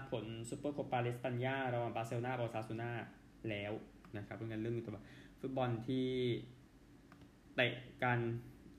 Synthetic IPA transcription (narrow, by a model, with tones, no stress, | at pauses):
pʰo˩˦nsu˧˦pːɤː˥˩kʰo˧˩pːaː˧li˦˥spa˧n˧jaː˥˩ɾa˧waː˨˧˩nbaː˧˥se˧wnaː˥˩bɔː˧˩saː˧˦˥su˧˦naː˥˩ | lɛː˦˥w | na˦˥˩kʰa˦˥p̚ːɯ˧˥˨ŋa˧nlɯ˥˩ə˨mi˧t̪ɔ˧˩ba˨˩fu˦˥t̪̚bɔ˧nt̪ʰiː˥˩ | t̪a˧˩kaː˧n